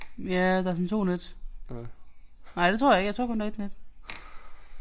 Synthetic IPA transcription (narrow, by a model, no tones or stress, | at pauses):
jæd̥ɑæɐs̬ɒnt͡sʰo̝̰ːned̥ | nɑɪd̥e̝t͡sʰoɐ̰jɑeɡ̥jɑt͡sʰo̰kʰo̽nd̥æed̥ned̥